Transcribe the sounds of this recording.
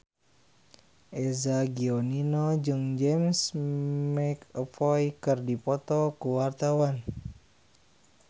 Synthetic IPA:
ʔɛzaɡiɔninɔd͡ʒɨŋd͡ʒɛmsmɛkəpɔjkɨrdipɔt̪ɔkuwart̪awan

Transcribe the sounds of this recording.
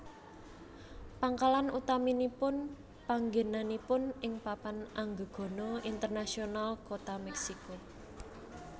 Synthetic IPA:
paŋkalanut̪aminipʊn | paŋɡe̤nanipʊnɪŋpapanʔaŋɡəɡ̥ɔ̤nɔint̪ərnasionalkot̪amɛksiko

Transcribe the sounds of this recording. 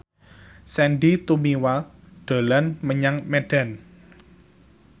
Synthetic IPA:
sɛnɖit̪umiwa | ɖ̥o̤lanməɲaŋmeɖ̥a̤n

